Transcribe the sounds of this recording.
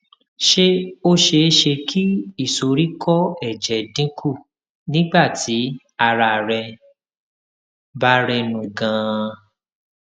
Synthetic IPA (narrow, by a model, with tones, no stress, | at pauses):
ʃe˦o˦ʃe˧˦˧ʃe˧kʰi˦i˦˨so˨ɾi˦kɔ˦ɛ˦˨d͡ʒɛ˨dĩ˦kʰu˦˨ | nĩ˦ɡ͡ba˦˨tʰi˨˦ | a˧ɾa˧˨ɾɛ˧ | ba˦ɾɛ˧nũ˨ɡã˨˧